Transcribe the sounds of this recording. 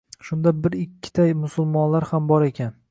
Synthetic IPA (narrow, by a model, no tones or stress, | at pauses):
ʃʊnd̪abɪɾɪkʲʰːɪ̥t̪ʰajmʊsʊlˠmɒnlaɾhambɒɾe̞kʲʰan